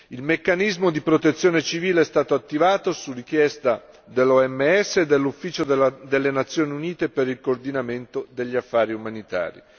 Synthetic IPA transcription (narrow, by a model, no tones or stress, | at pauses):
ilmekːanizmod̪ipɾot̪et̪sːjoːnet͡ʃiviːleɛst̪aːt̪oat̪ːivaːt̪osurik̟jɛst̪a | d̪elːɔɛmːeɛsːeːd̪ːelːufːiːt͡ʃod̪d̪elːenat̪sːjoːniuniːt̪epeɾilkoːrd̪inament̪od̪eʎːiafːaːɾiumanit̪a̰ːɾḭ